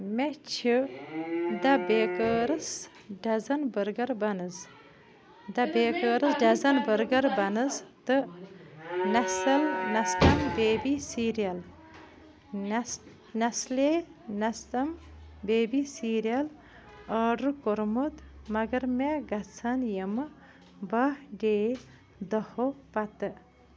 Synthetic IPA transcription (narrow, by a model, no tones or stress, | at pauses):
met͡ʃʰi | d̪ɐbeːkəːɾɨs | ɖɐzɐnbəɾɡɐɾbɐnɨz | d̪ɐbeːkəːɾɨsɖɐzɐnbəɾɡɐɾbɐnɨzt̪ɨ | nɐsɐlnɐst̪ɐmbeːbisiɾijɐl | nɐslenɐst̪ɐm | beːbisiːɾijɐl | əːɖukoɾmut̪mɐɡɐɾmeɡɐt͡sʰɐnjəmɨ | bɐhɖeː | d̪ɐhopɐt̪ɨ